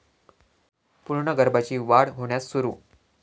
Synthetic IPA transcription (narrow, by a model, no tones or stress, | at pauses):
puɾɳəɡəɾbat͡ɕiːʋaɽɦoɳjat͡ssuɾuː